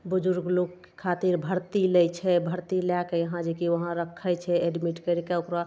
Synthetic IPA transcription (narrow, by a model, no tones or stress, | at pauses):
bud͡ʒuɾɡlokː | kʰːat̪iɾbʱəɾt̪ilɛt͡ʃʰɛbʱəɾt̪ilakejəɦãd͡ʒekiʋəɦãɾəkʰːɛt͡ʃʰɛeɖmiʈkəɾikeokɾa